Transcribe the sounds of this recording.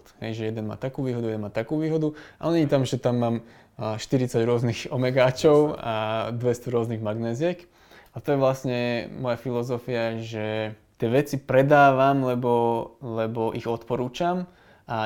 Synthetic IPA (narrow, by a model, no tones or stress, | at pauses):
t̪ɦɛ̰jʒɛjɛd̪ɛnma̰ːt̪akuːʋiːɦɔd̪uɛd̪ɛnmaːt̪akuːʋiːɦɔd̪uaʔɔɲɛɲit̪amʒɛt̪amːaːm | ʃt̪iɾit͡saɟɾʊɔzniɣɔmɛɡaːt͡ʃɔʊa̰d̪ʋɛst̪ɔɾʊɔzniɣmaɡnɛːzɪɛk | at̪ɔjɛʋlasɲɛmɔjafilɔzɔfiaʒɛ | t̪ɪɛʋɛt͡sipɾɛd̪aːʋamlɛbɔlɛbɔʔiɣɔt̪pɔɾuːt͡ʃam | ʔa